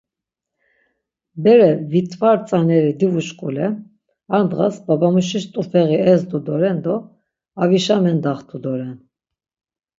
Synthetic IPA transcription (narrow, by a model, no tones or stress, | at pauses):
bɛɾɛvit̪ʼvaɾt͡sʼanɛɾid̪ivuʃkʼulɛ | and̪ʁasbabamuʃiʃt̪ʼufɛɣiɛzd̪ud̪ɔɾɛnd̪ɔ | aviʃamɛnd̪aχt̪ʰud̪ɔɾɛn